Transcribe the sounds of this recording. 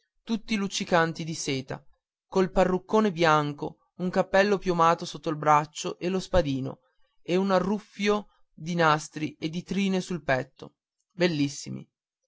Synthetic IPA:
t̪ut̪ːilut͡ʃːikant̪id̪iseːt̪a̰ | kolparːukːoːnebjaŋko | uŋkapːɛlːopjomaːt̪osot̪ːoilbɾat͡ʃːoʔelospad̪iːno̰ | eunarːufːjo | d̪inast̪ɾied̪ːit̪ɾiːnesulpɛt̪ːo̰ | belːisːḭmḭ

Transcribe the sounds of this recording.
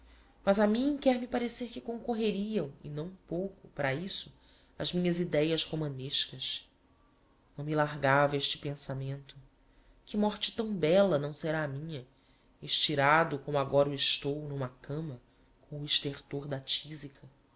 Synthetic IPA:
mɐzamĩkɛɾmipaɾeseɾkɪkõŋkoɦeɾiɐ̃w̃ɪ̰nɐ̃w̃powkʊpaɾɐisʊ | ɐzmĩɲɐzid̪ɛjɐzhomɐ̃neʃkɐʃ | nɐ̃w̃milaɦɡavɐeʃt͡ʃɪ̥pẽsamẽnt̪ʊ | kɪmɔɾt͡ʃɪ̥t̪ɐ̃w̃bɛlɐnɐ̃w̃seɾaːmĩɲɐ | eʃt͡ʃiɾad̪ʊkõmʊaɡɔɾɐɪʃt̪ownũmɐkʰɐ̃mɐ | kʰõw̃ʊiʃt̪eɾt̪oɾd̪ɐt͡ʃizikʰɐ

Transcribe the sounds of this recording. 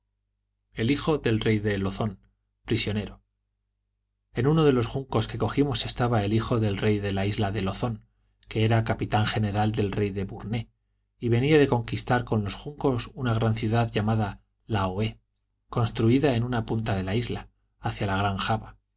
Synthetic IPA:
e̞lixo̞ðe̞lre̞jðe̞lo̞θo̞n | pɾisjo̞ne̞ɾo̞ | e̞nuno̞ðe̞lo̞sxuŋko̞ske̞ko̞ximo̞se̞st̪aβae̞lixo̞ðe̞lre̞jðe̞laizlaðe̞lo̞θo̞ŋ | ke̞eɾakapit̪aŋχe̞ne̞ɾald̪e̞lre̞jðe̞βuɾne | iβe̞niaðe̞ko̞ŋkist̪aɾko̞nlo̞sxuŋko̞sunaɣ̞ɾanθjuðaðʝamaða | laoe̞ | ko̞nst̪ɾuiðae̞nũnapunt̪aðe̞laizla | aθjalaɣ̞ɾaŋxaβa

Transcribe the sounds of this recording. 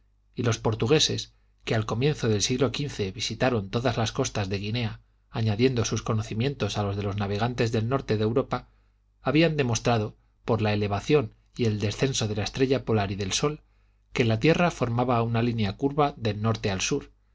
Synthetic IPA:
ilo̞spo̞ɾt̪uɣ̞e̞se̞s | ke̞alko̞mjẽ̞nθo̞ðe̞lsiɣlo̞kinθe̞βisit̪aɾo̞nt̪o̞ðazlasko̞st̪azðe̞ɣ̞ine̞a | aɲaðje̞nd̪o̞susko̞no̞θimjẽ̞nt̪o̞salo̞zð̞e̞lo̞znaβe̞ɣ̞ant̪e̞zðelno̞ɾt̪eðewɾo̞pa | aβiand̪e̞mo̞st̪ɾaðo̞ | po̞ɾlae̞le̞βaθjo̞n | ie̞ld̪e̞sθe̞nso̞ðe̞laest̪ɾe̞ʝapo̞laɾiðe̞lso̞l | ke̞lat̪je̞rafo̞ɾmaβaunalinjakuɾβaðe̞lno̞ɾt̪e̞alsuɾ

